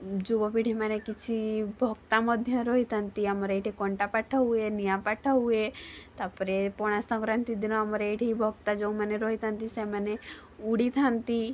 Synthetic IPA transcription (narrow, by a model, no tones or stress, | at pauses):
d͡ʒubɔpiɽimɛnekit͡ʃʰibʱɔɡt̪amɔd̪ʱjəɾɔɦit̪ənt̪iəmɔɾeʈikɔɳʈapaʈʰaɦuenijapaʈʰaɦuet̪apɾepɔɽ̃asə̃ŋɡɾənt̪id̪inoəmɔɾeʈʰibʱɔɡ̚t̪ad͡ʒoũməneɾoɦit̪ənt̪iseməne | uɽit̪ʰant̪i